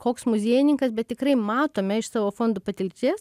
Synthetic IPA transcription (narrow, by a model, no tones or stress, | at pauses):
koːksmʊzʲiːjɪnʲɪŋkɐsbʲɛt̪tʲɪkrɐɪmɑːt̪oːmʲɛɪʃsɑːʋoːfoːnd̪upɐt̪ʲɪlʲt͡sʲiɛs